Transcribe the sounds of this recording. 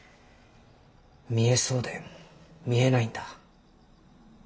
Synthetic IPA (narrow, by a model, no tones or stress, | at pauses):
mʲie̞so̞ːd̪emmʲie̞naĩnd̪ḁ